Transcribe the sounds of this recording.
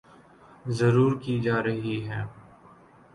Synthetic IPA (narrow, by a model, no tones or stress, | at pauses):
zɐɾuːɾkid͡ʒaːɾɐɦiɦɛː